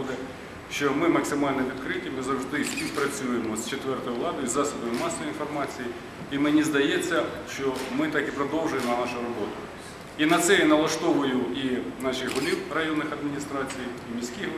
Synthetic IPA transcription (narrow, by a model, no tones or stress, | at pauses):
d̪ɛ | ʃt͡ʃɔmɪmɐksɪmɑlʲnɛʋʲid̪kɾɪtʲːɐmɪzɐwʒd̪ɪsʲpʲiwpɾɐt͡sʲujemɔst͡ʃet̪ʋɛrt̪ɔjʊʋlˠɑd̪ɔjizɑsʊd̪ɔjʊmɑsɐʋjinfɔrmɑt͡sʲiji | imenʲizd̪ɐjet͡sʲːɐʃt͡ʃɔmɪt̪ɑkipɾɔd̪ɔwʒʊjemnɐnɑʃʊɾɔbɔt̪ʊ | inɐt̪sɛjanɐlˠɐʃt̪ɔʋʊjʊinɑʃɪɣɦʊlʲiwrɐjɔnːɪxɐd̪mʲinʲist̪ɾɑt͡sʲijiimʲisʲkʲix